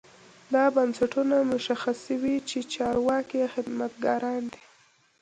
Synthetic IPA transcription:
d̪ɑbansaʈunamʊʃaxasəwit͡ʃet͡ʃɑɾwɑkexɪd̪mat̪ɡɑɾɑnd̪i

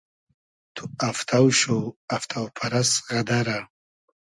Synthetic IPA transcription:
t̪ʰuaft̪ʰawɕoaft̪ʰawpʰaɾasʁad̪aɾa

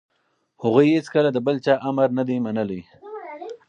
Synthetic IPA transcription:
hʊɣujhɪt͡skəlad̪əbəlt͡ʃɑʔaməɾnad̪imanəli

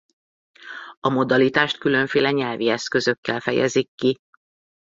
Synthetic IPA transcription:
ɒmo̞d̪ɒlit̪aːʃt̪kylø̞ɱfeːlɛɲɛlviɛskø̞zøkːɛlfɛjɛ̰zikːi

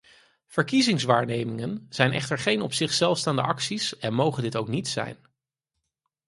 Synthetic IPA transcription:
v̥əɹkizɪŋsʋaːɹnejmɪŋənz̥ɛjnʔɛ̰χtəɹχejnɔpsɪχsɛlˠfstaːndəʔɑksisɛnmowχəndɪtowknitsɛ̰jn

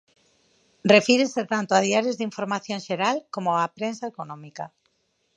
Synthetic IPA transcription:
refiɾeset̪ant̪oaðiaɾezðiɱfoɾmaθjõŋʃeɾalkomoapɾensaekonɔ̃mika

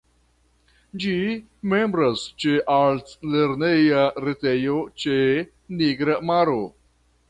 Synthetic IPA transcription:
d͡ʒi | mẽmbɾast͡ʃeʔaltleɾnejaɾetejot͡ʃe | niɡɾamaɾo

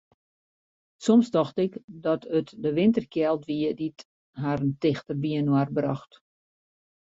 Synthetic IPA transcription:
sɔmsdɔxtɪkdɔtʰətdəʋɪntərkjɛlˠtʋiədit | ɦaɾəntɪxtərʋiənwarbrɔxt

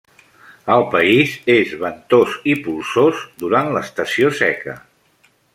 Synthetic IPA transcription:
əlˠpəizezβənt̪ozipulˠsozd̪uɾanləst̪əsiosɛ̰kə̰

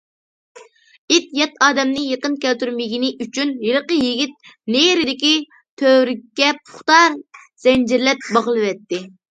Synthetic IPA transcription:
it̪jɛt̪ɑːd̪ɛmnɪjeqənkʲɛlt̪yɾmɪɡʲinɪʔyt͡ʃʰynjeɾəqəjiɡʲit̪̚nejɾɪd̪ɪkʲi | t̪ʰøɾɪkʲːɛpʰʊ̥χt̪ɑɾ | z̥ɛnd͡ʒɪɾlɛt̪̚bɑʁəlˠɨvɛt̪ːɪ

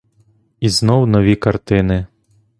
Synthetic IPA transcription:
iznɔwnɔʋʲikɐrt̪ɪnɪ

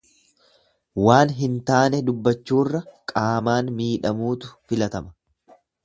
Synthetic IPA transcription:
waːnɦɪnt̪aːnɛd̪ʊbːɐt͡ʃːuːrːɐkʼaːmaːnmiːᶑɐmuːt̪ʊ̥fɪlɐt̪ɐmɐ̥

